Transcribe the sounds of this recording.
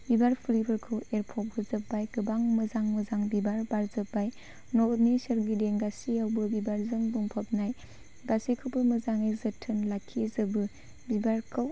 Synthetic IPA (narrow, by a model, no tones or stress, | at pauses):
bibaɾpʰlibɐɾkʰɯweɾpʰɔp̚ɡɯzɐpːajɡɯbaŋmɯzaŋmɯzaŋbibaɾbaɾzɯpːaj | nɔtnisɐɾɡideŋɡasiawbɯbibaɾzɯmbuŋpʰɐp̚naj | ɡasikʰɯpɯmɐzaŋajzɐtʰːɯnlakʰːizɯbɯ | bibaɾkʰɯw